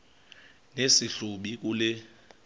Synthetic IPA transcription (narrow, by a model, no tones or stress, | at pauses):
nesiɬuɓik̬ʼulɛ